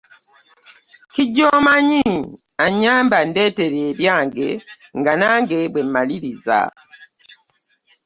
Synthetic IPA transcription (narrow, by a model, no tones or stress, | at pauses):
kiɟːomaɲiaɲːaːmbande̞ːte̞ɾeːβjaːŋɡe̞ŋɡanaːŋɡe̞bwe̞mmaliɾiza̰